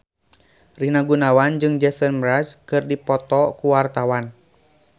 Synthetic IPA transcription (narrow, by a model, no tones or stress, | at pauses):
rinaɡunawand͡ʒɨŋd͡ʒɛsənmɾaskɨrdipɔt̪ɔkuwart̪awan